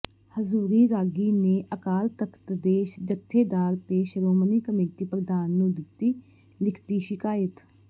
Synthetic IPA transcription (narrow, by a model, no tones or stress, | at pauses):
həzuːɾiːɾaːɡiːneːʔəkaːlt̪əkʰt̪d̪eːʃd͡ʒət̪ʰːeːd̪aːɾt̪eːʃəɾoːməniːkəmeːʈ̪iːpɾəd̪aːnːũːd̪ɪt̪ːiː | lɪkʰt̪iːʃɪkaːɪt̪